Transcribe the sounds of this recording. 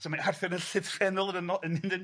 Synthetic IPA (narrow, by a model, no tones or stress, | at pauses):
sɔmaarθɛɾənɬɪvrɛnʊlˠənənɔənːɪndən